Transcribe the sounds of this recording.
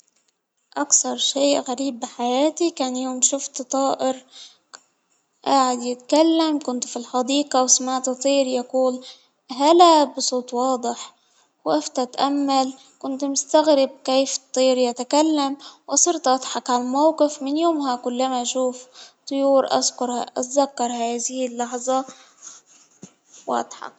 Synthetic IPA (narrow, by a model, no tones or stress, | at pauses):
ʔakθɑɾˤʃeːʔɣaɾiːbːɪħajaːt̪ikaːnjoːmʃʊft̪t̪ˤɑːʔɪɾ | ʔaːʕɪd̪jɪt̪kalːamkʊnt̪filħɑd̪iːqɑwɪsmaːʕt̪t̪ˤiːɾjaquːl | ɦalabɨsˤuːt̪ˤwɑːd̪ˤɨħ | waft̪at̪ʔamːal | kʊnt̪mʊst̪aɣɾɪb̚keːft̪ˤːiːɾjat̪akalːamwʔɑsˤɑɾt̪ˤʔɑt̪ˤħɑkʕalamawqɪfmɪnjoːmɦakʊlːamaʔʃuːft̪ˤʊjuːɾʔa̰zkʊɾa̰ʔat̪zakːɑɾˤhaːðɪhɪlːɑħzˤɑ | wʔa̰t̪ˤħɑ̰k̚